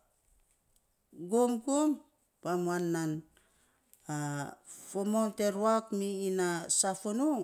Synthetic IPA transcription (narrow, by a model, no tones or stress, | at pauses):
ɡoŋɡoŋ | pamuanːan | afomonteɾwakmiːnasafono